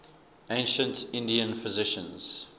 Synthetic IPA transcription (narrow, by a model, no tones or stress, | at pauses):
ẽnʃə̃ntɪ̃ndiə̃nfɪzɪʃə̰̃nz̥